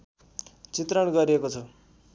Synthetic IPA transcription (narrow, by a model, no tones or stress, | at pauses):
t͡sit̪rʌnɡʌɾiekot͡s̪ʰo